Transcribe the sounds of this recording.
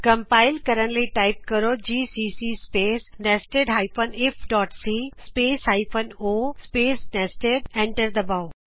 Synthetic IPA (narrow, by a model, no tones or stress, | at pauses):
kɐ̃mpaːɪlkɐɾə̃ɳʈliʈaɪp̚kɐɾod͡ʒiːsiːsispeːsnesʈeɖɦaːɪpʰənɛfɖɔːʈsiːspeːsaɪpənospeːsnesʈeɖɛ̃ɳʈəɾd̪ɐbaw